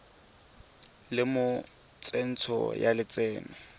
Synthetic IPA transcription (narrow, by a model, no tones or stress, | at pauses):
lɪmʊ | t͡sʼɛn̩t͡sʰɔ̰jalɪt͡sɛːmɛ